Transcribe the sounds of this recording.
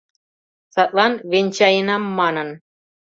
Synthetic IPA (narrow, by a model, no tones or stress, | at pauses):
sɑt̪ʼlˠɑnβenʲt͡ɕɑjənɑmːɑnə̆n